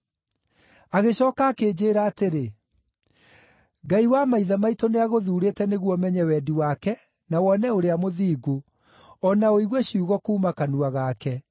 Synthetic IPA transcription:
aɣeɕɔːkaːkeːd͡ʑeːɾaːteɾe | ɡaiwamaiðamaitoneaɣoðuːɾeːtɛneɣwɔmɛɲɛwɛːdiwakɛ | nawɔnɛoɾeamoðiːɡo | ɔnaoiɣwɛɕiuɣɔkuːmakanuaɣakɛ

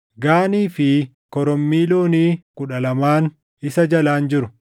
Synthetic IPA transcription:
ɡaːniːfɪ | kɔɾɔmːiːloːniːkʼʊᶑɐlɐmaːn | ɪsɐd͡ʒɐlaːnd͡ʒɪɾʊ

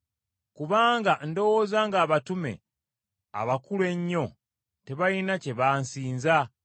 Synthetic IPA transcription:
kuβaːŋɡando̞woːzaːŋɡaːβatume̞̰ | a̰βakulwe̞ɲːo̞ | te̞βajinace̞βaːnsiːnza

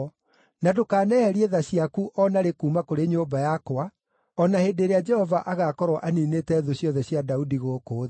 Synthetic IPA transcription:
nadokaːnɛhɛɾieðaɕiakuʔɔnaɾekumakoɾeɲoːbajakoa | ɔnahedeɾead͡ʒɛhɔvaʔaɣakɔɾwɔʔaninetɛðoɕjɔðɛɕjadaudiɣoːkoːð

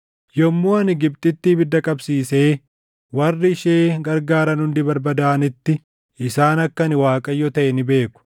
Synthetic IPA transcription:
jɔmːoːɐnɪɡɪb̚t̪ʼɪt̪ːiːbɪd̪ːɐkʼɐbsiːse̞ː | wɐrːɪːʃeːɡɐɾɡaːɾɐnhʊnd̪ɪbɐɾbɐd̪aːɐnɪt̪ːɪ | ɪsaːnɐkːɐnɪwaːkʼɐjːɔt̪ɐʔɛnɪbe̞ːkːʊ̥

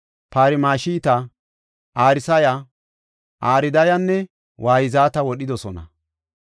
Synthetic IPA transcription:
paːɾɪmaːʃiːt̪ɐ | ʔaːɾɪsɐja | ʔaːɾɪd̪ɐjɐnːɛ | wʔaːjɪzaːt̪ɐwɔɗɪd̪ɔsɔnɐ̰

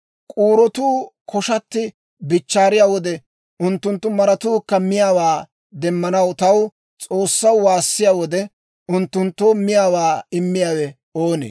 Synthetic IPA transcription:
kʼuːɾɔt̪uːkʰɔʃɐt̪ːɪ | bɪt͡ʃːaːɾɪjaːwɔd̪ɛ | ʔʊnt̪ːʊnt̪ːʊmɐɾɐt̪uːkːɐmɪjaːwaː | d̪ɛmːɐnɐwt̪ɐw | t͡sʼoːsːɐwwaːsːɪjaːwɔd̪ɛ | ʔʊnt̪ːʊnt̪ːoːmɪjaːwaːɪmːɪjaːwɛ | oːnḛː

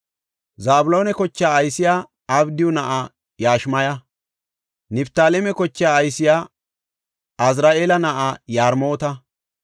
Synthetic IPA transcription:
zaːbʊlo̞ːnɛkɔt͡ʃːɪaːɐjsɪjaː | ɐbd̪ɪjɔnɐʔa | jaːʃmɐjɐ | nɪpt̪aːlɛmɛkɔt͡ʃːɪjaːɐjsɪjaː | ɐz̬ɾaːʔeːlɐnɐʔajaːɾmo̞ːt̪ɐ

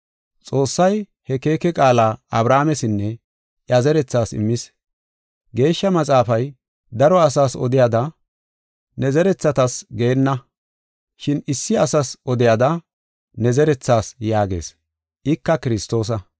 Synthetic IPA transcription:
t͡sʼo̞ːsːɐj | hɛke̞ːkɛkʼaːlaːɐbɾaːmɛsɪnːɛ | ʔjɐzɛɾɛt͡sːaːsɪ̰mːɪs | ɡe̞ːʃːɐmɐt͡sʼaːfɐj | d̪ɐɾɔɐsaːsɔ̰d̪ɪjad̪ɐ | nɛzɛɾɛt͡sːɐt̪ɐsɡenːɐ | ʃɪnɪsːɪɐsɐsʔɔd̪ɪjɐd̪ɐ | nɛzɛɾɛt͡sːaːsjaːɡe̞̰ːs | ʔɪkːɐkɪɾɪst̪o̞ːs̬ɐ

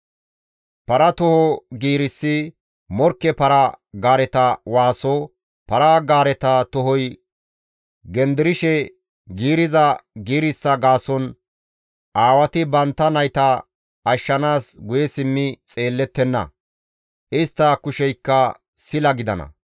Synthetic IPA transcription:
pɐɾɐt̪ɔhɔɡiːɾɪsːɪ | mɔɾkːɛpɐɾɐɡaːɾɛt̪ɐwaːsɔ | pɐɾaɡaːɾɛt̪ɐt̪ɔhɔj | ɡɛnd̪ɪɾɪʃɛ | ɡiːɾɪzɐɡiːɾɪsːɐɡaːsɔn | ʔaːwɐt̪ɪbɐnt̪ːɐnɐjt̪ɐ | ɐʃːɐnaːsɡʊjɛsɪmːɪt͡sʼe̞ːlːɛt̪ːɛnːɐ̰ | ʔɪst̪ːɐkʊʃɛjkːɐ | sɪlɐɡɪd̪ɐnɐ̰

